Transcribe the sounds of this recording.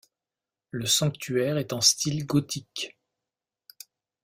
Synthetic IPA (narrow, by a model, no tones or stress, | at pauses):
ləsɑ̃kt̪ʰyɛʁɛt̪ɛ̃st̪ilɡɔt̪ʰik